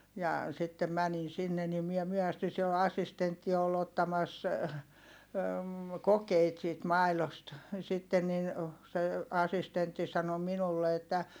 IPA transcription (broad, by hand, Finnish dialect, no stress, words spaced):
jɑ sitːem mænin sinːe nim miɛ myøhæsty siel ɑsːistentːi ol otːɑmɑs kokeit siːt mɑi̯lost sitːen nin se ɑsistentːi sɑno minulːe etːæ